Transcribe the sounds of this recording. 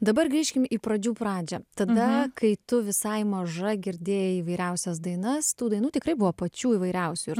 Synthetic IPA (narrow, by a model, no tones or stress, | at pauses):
d̪ɐbɐrɡɾʲiːʃʲkʲɪmiːpɾɐd͡ʒʲuːpɾɑːd͡ʒʲɛt̪ɐd̪ɐkɐɪt̪ʊʋʲɪsɐɪmɐʒɐɡʲɪɾʲd̪ʲeːjɛiːʋɐɪɾʲɛʊsʲɛsd̪ɐɪnɐst̪uːd̪ɐɪnuːt̪ʲɪkɾɐɪbʊʋoːpɐt͡ʃʲuːiːʋɐɪɾʲɛʊsʲʊɪɾ